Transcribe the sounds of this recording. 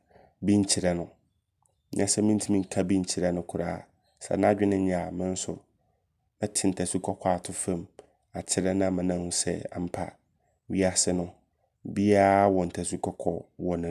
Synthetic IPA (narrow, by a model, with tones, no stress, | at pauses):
bĩ˦ɲ̩˦t͡ɕʰi˨ɾɛ˦nʊ̃˨ | ɲɛ̃˦sɛ˦mĩ˦n˦tʰi˦mĩ˦ŋ̩˨kʰa˦bĩ˦ɲ̩˨t͡ɕʰi˨ɾɛ˦nʊ̃˦kʰʊ˨ɾa̰ː˦ | sɛ̰˨nã˦d͡ʑᶣɪ˦nɪ̃˦ɲã˨mɪ̃˦n̩˦sʊ̰˨ | mɪ̃˦tʰɪ˨n̩˨tʰa˨su˦kʰɔ˦kʰa˨tʰʊ˦fã˦m | a˨t͡ɕʰɪ˦ɾɛ˦nã˦˨mɪ̃˨nã˦hʊ̃˦sɛ̰˦a̰˨m̩˦pʰa̰˨ | ɥi˦a˨sɪ˦nʊ̃˦ | bi˦a˦wɔ˨n̩˨tʰa˨su˦kʰɔ˦kʰɔ˨wɔ˨nʊ̃˨